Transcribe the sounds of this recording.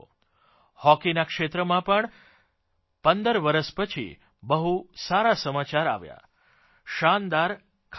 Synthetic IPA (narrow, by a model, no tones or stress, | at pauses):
hɔkinakʃet̪ɾəmãpəɳ | pənd̪əɾʋəɾəʃpət͡ʃʰḭ | bəɦusaɾasəmat͡ʃaɾa̰ʋja̰ | ʃand̪aɾ | kʰ